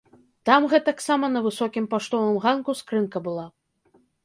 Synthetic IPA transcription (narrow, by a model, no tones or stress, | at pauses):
t̪amɣɛt̪aksamɐnɐvɨsɔkʲimpaʂt̪ɔvɨmɣankuskɾɨnkɐbɨlˠa